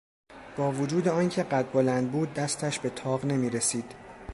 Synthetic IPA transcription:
b̥ɒːvod͡ʒuːd̪e̞ɒːncʰe̞ɢæt̪̚bo̞lænd̪̚buːd̪ːæst̪ʰæʃbe̞t̪ʰɒːʁne̞miːɾe̞siːd̪̥

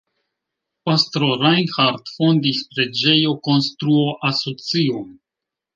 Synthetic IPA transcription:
pastɾoɾajnxaɾtfo̞ndispɾe̞d͡ʒe̞jo̞ko̞nst̪ɾuoʔaso̞t͡sion

